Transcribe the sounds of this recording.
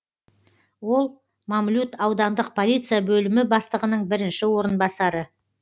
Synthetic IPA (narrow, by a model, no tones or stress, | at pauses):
wo̞lˠ | mamlʲut̪ɑwd̪ɑnd̪əq̚pʰo̞lʲijt̪sɨjabɵlɪmɪbɑst̪əʁənəɴbɪɾɪnʃɪwo̞ɾənbɑsɑɾə